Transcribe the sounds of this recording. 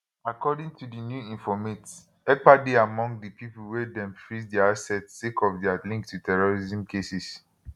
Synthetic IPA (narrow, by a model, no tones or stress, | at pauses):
akɔdĩŋtʰudinjuĩnfɔmet | ɛk̚adeamɔ̃ŋɡdipipul̩wɛdɛ̃mfɹisdɛaasɛtːekɔfdɛalĩŋk̚tʰutʰɛɹɔɹizĩmkʰesis